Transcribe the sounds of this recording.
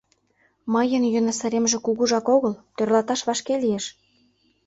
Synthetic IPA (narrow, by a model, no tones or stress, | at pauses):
məjə̆njønɑsə̆ɾemʒĕkuɣuʒɑkoɣəlt̪ørlɑt̪ɑʃβɑʃkelijeʃ